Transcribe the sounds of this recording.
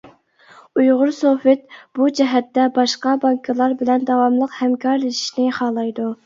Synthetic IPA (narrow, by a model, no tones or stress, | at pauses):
ujʁʊɾsofɪt̪̚b̥ud͡ʒɛɦɛt̪ːɛbɑʃqɑbɑŋkʰɨlˠɑɾbɪlɛnd̪ɑwɑmlˠəqhɛmkʲʰɑɾleʃi̥ʃnɪχɑːlˠɑjd̪u